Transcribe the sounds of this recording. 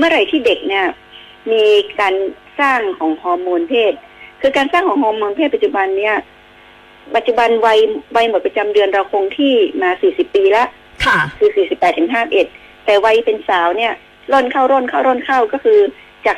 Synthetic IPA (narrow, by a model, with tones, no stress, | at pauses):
mɯ˥˩ɐɾa˨˩jt̪ʰiː˥˩de˨˩k̚ni˥˩ɐ | miː˧kaː˧n | saː˥˩ŋkʰɔː˩˦ŋhɔː˧mːoː˧npʰeː˥˩t̪̚ | kʰɯː˧kaː˧nsaː˥˩ŋkʰɔː˩˦ŋhɔː˧mːoː˧npʰe˥˩pa˨˩t̪̚t͡ɕu˨˩ba˧nːi˦˥˩ɐ | pa˨˩t̪̚t͡ɕu˨˩ba˧nwa˧jwa˧jmo˨˩t̪̚pɾa˧t͡ɕa˧mdɯ˧ənɾa˧wkʰo˧ŋt̪ʰiː˥˩maː˧siː˨˩si˨˩pːiː˧la˦˥ʔ | kʰkʰɯː˧siː˨˩si˨˩pːɛː˨˩t̪ʰːɯ˩˦ŋɦaː˥˩ʔe˨˩t̪̚ːɛː˨˩wa˧jpe˧nsaː˩˦wni˥˩ɐ | lo˥˩nkʰa˥˩wɾɔ˥˩nkʰaː˥˩wɾɔː˥˩nkʰa˥˩wkɔː˥˩kʰɯː˧ | t͡ɕaː˨˩k̚